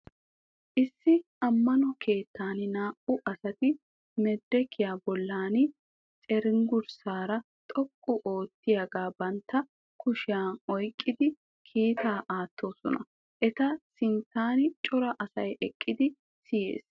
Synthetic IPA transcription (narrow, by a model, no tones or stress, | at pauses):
ʔɪsːɪʔɐmːɐnɔkʰe̞ːt̪ːaːnɪnaːʔʊʔɐsɐt̪ɪ | mɛd̪ːɛkʰːɪjaːbɔlːaːnɪ | t͡ʃʼɛɾɪŋɡʊɾsaːɾɐ | t̪ʼɔkʼːʊʔo̞ːt̪ːɪjɐɡaːbɐnt̪ːɐ | kʊʃɪjaːnɔjkʼːɪd̪ɪ | kʰiːt̪aːʔaːt̪ːo̞ːsɔnɐ̰ | ʔɛt̪ɐsɪnt̪aːnɪt͡ʃʼɔɾɐʔɐsɐ̰jɛkʼːɪd̪ɪ | sɪjḛːs